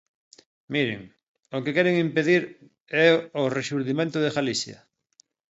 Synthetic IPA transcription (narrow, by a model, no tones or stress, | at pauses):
miɾḛŋ | okekɛɾeŋimpeðiɾ | ɛoreʃuɾðimẽnt̪oðeɣalisja̰